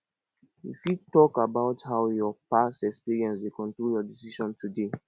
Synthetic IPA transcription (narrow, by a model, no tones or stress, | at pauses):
ifjutɔkabaʊthaʊjɔpasɛkspiɹiɛ̃nswekɔ̃ntɹoljɔdisiʃɔ̃ntʰude